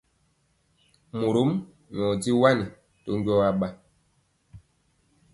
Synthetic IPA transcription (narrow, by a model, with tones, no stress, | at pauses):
mu˨ɾo˨˦m | ɲ˨ɔ˨di˦wa˦ni˨ | to˦ŋ˦ɡɔ˦wa˦ɓa˦